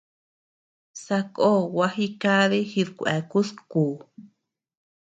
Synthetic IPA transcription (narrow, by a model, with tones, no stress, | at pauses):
sa˧kʼo˦wa˧hi˦ka˦ðe˦xi˧ðkʷʔɛ˨ku˦skuː˨